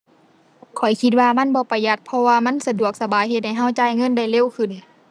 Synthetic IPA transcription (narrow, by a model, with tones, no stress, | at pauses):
kʰɔ˨˩jkʰi˧t̪̚waː˧ma˧˥˨nbɔː˧˦pa˨jːa˧t̪̚pʰɔ˧waː˧ma˧˥˨nsa˧du˨˩ək̚sa˧baː˨˦jhe˧t̪̚ha˧˩jɦa˧˩wt͡ɕaː˧˩jŋɤ˧˥˨nda˧˥˩jle˧˥˨wkʰɯ˧˩˨n